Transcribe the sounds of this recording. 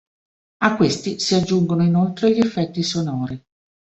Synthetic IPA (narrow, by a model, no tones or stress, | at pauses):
akːwest̪isiad͡ʒːuŋɡonoinolt̪ɾeʎiefːɛt̪ːisonɔːɾi